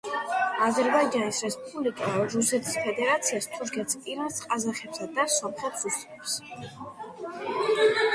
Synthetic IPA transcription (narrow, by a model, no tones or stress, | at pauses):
azɛɾbaid͡ʒanisɾɛspʼublikʼaɾusɛt̪ʰi̥spʰɛd̪ɛɾat̪sʰiast̪ʰuɾkʰɛt̪spʼiɾasqʼazaχɛpsad̪asɔmχɛt̪ʰɾusɛps